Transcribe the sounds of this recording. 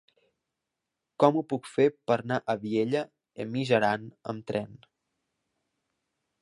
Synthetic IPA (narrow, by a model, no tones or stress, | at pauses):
kɔmupukfepəɾnaʔəβieʎə | əmiʒəɾanə̰mt̪ɾɛn